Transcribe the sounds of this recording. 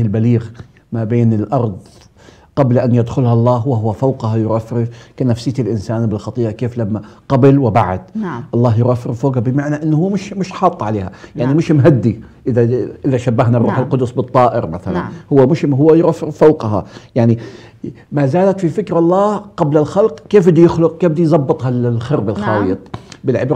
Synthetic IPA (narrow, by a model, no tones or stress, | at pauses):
ɪlbaliːɣ | mabeːnɪlʔɑɾˤðˤ | qablaʔanjad̪xʊlhaʔlˤːɑːɦwaɦʊwːafawqhɑjʊɾʔafːɾɪfkanafsɪːt̪ɪlʔɪnsaːnbɪlxɑt̪ˤiːʔakeːflamːaqabɪlwɪbaʕa̰d̪̥ʔɑlˤːɑːɦjʊɾʔafːɾɪffoːɡabɪmaʕnaʔɪnːhʊːmɪʃmɪʃħɑːt̪ˤːʕaleːhajaʕnimɪʃmɦad̪ːi | ʔɪðaʔɪðaʃabːaɦnarˤːuːħɪlqʊd̪ʊsbɨt̪ˤːɑːʔɪɾmaθala̰nhʊwːamɪʃɦʊːajʊɾʔafːɾɪffawqɦɑ̰jaʕni | mazaːlat̪fifɪkɾaʔlˤːɑːqɑblalxalqkeːfbɪd̪ijɪxlʊq̚keːbd̪ijzˤɑbːɨt̪ˤhɑllxɪɾbɪlxɑːlɨt̪ˤbɪlʕɪbɾ